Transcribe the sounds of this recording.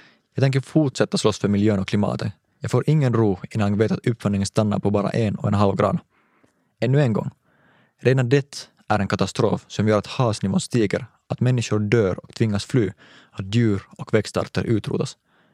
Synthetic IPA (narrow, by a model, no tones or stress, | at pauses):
jjɑːɡt̪ɛŋk̬əɾfʊʈʂɛt̪ːaslɔsːfœɾmɪljøːnɔkʰlɪmɑ̰ːt̪ə | jɑːɡfoːɾʔɪŋːənɾuːɪnːanɛɡveːt̪at̪ɵpːvɛnɪŋənst̪ɑnːa̰ɾpʰɔbɑːɾa̰ʔenɔ̰ɛ̰nɦalvɡɾɑ̰ːd̪ | ɛnːɵɛnɡɔ̰ŋː | ɾeːd̪and̪ɛt̪ | ʔæɾɛnkʰat̪ast̪ɾo̰ːfsɔmjøːɾat̪hɑːsnɪvoːnst̪iːɡəɾ | ʔat̪mɛnːɪʂʊɾɖøːɾɔkt̪ʰvɪŋːasflyː | at̪̚d̪jʉːɾɔkvɛkst̪ɑ̰ɾt̪ə̰ɾʔʉ̟ːt̪ɾṵːt̪as